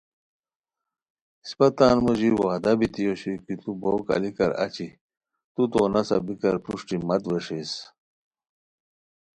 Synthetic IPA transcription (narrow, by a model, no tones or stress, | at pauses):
spɐt̪aːnmoʑiɾwaːd̪ɐbit̪ijoɕikit̪ubʱoːkɐ̰likɐɾɐ̰t͡ɕi | t̪ut̪oːnɐsɐ̰bikɐɾpuʂʈimɐt̪weʂes